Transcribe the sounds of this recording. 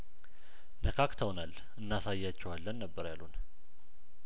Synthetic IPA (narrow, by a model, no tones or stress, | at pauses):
nəkʰakt̪ʰəwnal | ɨnːasajːat͡ʃːɛwalːənːəbːəɾjalun